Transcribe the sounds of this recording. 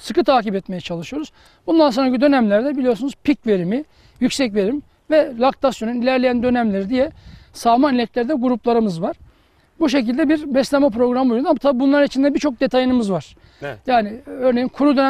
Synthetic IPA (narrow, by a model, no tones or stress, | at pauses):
sɯkɯt̪ʰaːcipɛt̪me̞jɛt͡ʃʰalˠɯʃɯjo̞ɾuz̥ | bund̪ans̬o̞nɾacid̪ø̞næmlʲæɾd̪ɛbilijo̞ɾsunuz̥pʰicve̞ɾimi | jycʲsɛcve̞ɾim | vɛlʲˠak̚t̪ʰasjo̞nynilʲæɾlʲejænd̪ønæmlʲeɾid̪ijɛsalˠmanlʲɛclʲeɾid̪ɛɡuɾuplˠaɾɯmɯzvaɾ̥ | buʃe̞cilʲd̪ɛbiɾbɛslʲemɛpɾo̞ɡɾambojund̪amat̪ʰabibunlˠaɾnit͡ʃʰind̪ɛbiɾt͡ʃʰo̞k̚d̪e̞t̪ʰajɯnɯmɯzvaɾ̥ | jaːnɪø̞ɾne̞jinkʰuɾud̪ø̞nɛ